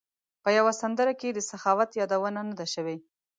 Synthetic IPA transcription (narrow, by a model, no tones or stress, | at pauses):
pəjawasand̪əɾaked̪əsaxɑwat̪jɑd̪awənanad̪aʃəwe